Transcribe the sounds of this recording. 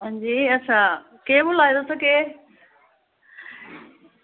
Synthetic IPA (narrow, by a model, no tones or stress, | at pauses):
ɦə̃d͡ʑiːɐt͡ɕʰã | keːbʊlaːĩd̪osɐɡeː